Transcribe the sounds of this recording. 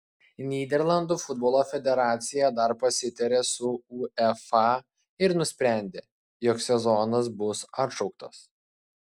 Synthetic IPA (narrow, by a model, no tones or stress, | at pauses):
nʲiːd̪ʲɛɾlˠɐnd̪uːfʊd̪boːlˠoːfʲɛd̪ʲɛɾɑːt̪sʲɪjɛd̪ɐɾpɐsʲɪt̪ʲɛɾʲeːsʊuːɛfɑ | ɪɾnʊsʲpʲɾʲæˑnʲd̪ʲeː | joːksʲɛzɔnɐsbʊsɐt̪ʃɒʊk̚t̪ɐs